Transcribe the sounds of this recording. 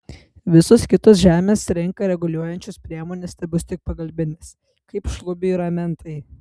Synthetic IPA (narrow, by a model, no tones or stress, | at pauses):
ʋʲɪsoskʲɪt̪osʒʲæːmʲeːsɾʲɪŋkɐɾʲɛɡʊlʲuɔjɛnʲt͡ʃʲʊspʲɾʲiɛmoːnʲɛsʲt̪ʲɐɪbʊst̪ʲɪk̚pɐɡɐlʲbʲɪnʲɪs | kɐɪpʃlˠʊbʲɪɪɾɐmʲɛnt̪ʰɐɪ